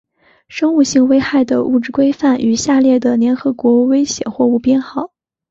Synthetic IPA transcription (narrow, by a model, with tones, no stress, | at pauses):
ʂɤ˥ŋu˥˧ɕi˥˧ŋwe˥ɪxa˥˩ɪd̪ə˩ṵ˥˧ʈ͡ʂɻ̩˥˩kwe˥ɪfa˥˩ny˨˩ɕja˥˧ljɛ˥˩d̪ə˩ljɛ˧˥nxɤ˧˥kwɔ˧˥we˥ɪɕjɛ̰˨˩nxwɔ˥˧u˥˩pjɛ˥˧nxɑ˥˩˦ʊ